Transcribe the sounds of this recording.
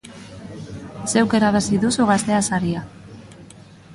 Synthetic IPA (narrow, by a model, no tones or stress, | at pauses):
se̞wke̞ɾaβasiðusuɣast̪e̞asaɾia